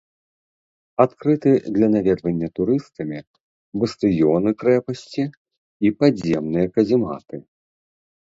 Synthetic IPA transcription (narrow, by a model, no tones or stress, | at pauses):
at̪kɾɨt̪ɨd̪lʲɐnavʲɛd̪vɐnʲːɐt̪uɾɨst̪ɐmʲi | bɐst̪ɨjɔnɨkɾɛpɐsʲt͡sʲiː | pazʲɛmnɨjɐkɐzʲima̰t̪ɨ